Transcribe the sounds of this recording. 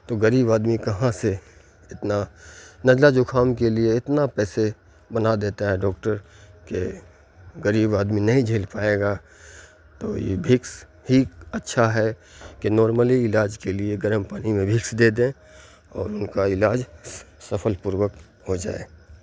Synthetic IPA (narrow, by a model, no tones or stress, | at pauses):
t̪oɡəɾiːbaːd̪mikɐɦãse | ɪt̪nanɐd͡ʒlad͡ʒokʰaːmkelieɪt̪napɛːse | bɐnad̪eːt̪aɦɛɖɔːk̚ʈəɾke | ɡəɾiːbaːd̪minɐɦĩd͡ʒʱeːlpaːeːɡa | t̪o̰ːjḛbʱɪks | hiɐtːʃʰaɦɛkenɔːɾməliɪlaːd͡ʒkelieɡəɾəmpaːnimẽbʱɪksd̪eːd̪ẽ | ɔ̰ːɾʊnkaɪlaːd͡ʒsɐfʰəlpʊɾwək | hod͡ʒa̰ːḛː